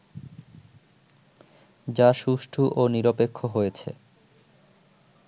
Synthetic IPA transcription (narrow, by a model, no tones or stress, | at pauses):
d͡ʑaʃuʃʈʰuʔoniɾopekʰːoɦojet͡ɕʰḛ